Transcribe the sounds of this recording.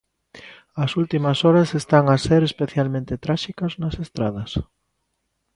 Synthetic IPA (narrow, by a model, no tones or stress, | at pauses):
ɐsult̪imɐsoɾɐsest̪aŋaseɾespeθjalmẽnt̪et̪ɾaʃikɐznɐsest̪ɾað̞ɐs